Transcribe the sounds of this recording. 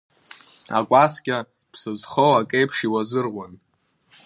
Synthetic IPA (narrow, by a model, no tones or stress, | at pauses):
a̰kʷʼaskʲʼa | pʰsɨzχowakʼejpʰʂiwazɨrʁʷan